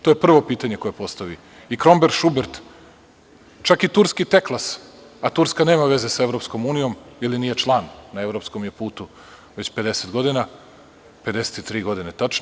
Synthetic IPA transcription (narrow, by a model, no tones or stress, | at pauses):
t̪ojepr̩ʋo̞piːt̪aɲekojepo̞st̪aʋi | ikɾo̞mbeɾʃubeɾt̪ | t͡ʃakit̪uɾskit̪e̞klˠas | at̪uɾskane̞ːmaʋe̞zesaevɾo̞psko̞muːnijo̞miliniːjet͡ʃlˠaːnːae̞ʋɾo̞pskomjepuːt̪u | ʋe̞t͡ɕpe̞d̪eset̪ɡo̞d̪ina | ped̪e̞se̥t̪it̪ɾiːɡo̞d̪inet̪at͡ʃno